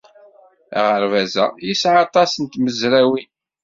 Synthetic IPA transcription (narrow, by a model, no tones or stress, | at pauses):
æ̰ʁəɾvæzæ̰jisʕɑt̪ˤɑsənt̪məzɾæwi